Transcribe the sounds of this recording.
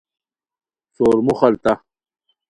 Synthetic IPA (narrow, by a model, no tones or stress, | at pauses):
soːɾmuχɐlt̪a